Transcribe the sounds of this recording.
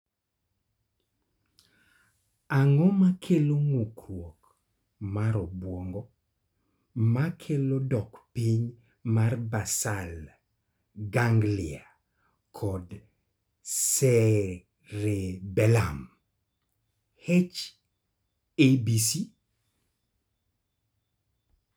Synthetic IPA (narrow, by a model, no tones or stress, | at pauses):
aŋɔmakʰeloŋukɾwok | maɾɔbwɔŋɡɔ | makʰelodɔkpiɲ | marbasal | ɡaŋɡlɪa | kʰɔd | sɛ | ɾebɛlam | het͡ʃ | ebisi